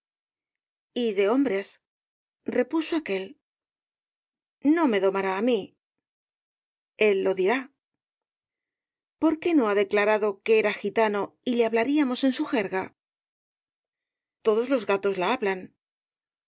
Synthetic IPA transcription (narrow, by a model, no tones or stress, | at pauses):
iðe̞o̞mbɾe̞s | re̞puso̞ake̞l | no̞me̞ðo̞maɾaːmi | e̞lːo̞ðiɾa | po̞ɾke̞no̞aðe̞klaɾaðo̞ke̞eɾaxit̪ano̞ile̞aβlaɾiamo̞se̞nsuxe̞ɾɣa | t̪o̞ðo̞zlo̞zɣat̪o̞zlaaβlan